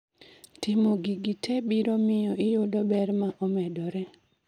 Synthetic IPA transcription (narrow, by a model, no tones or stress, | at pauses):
tɪmoɡiɡitʰɛbiɾomɪjɔʔɪjʊdɔbɛɾmaʔɔmɛdɔɾɛ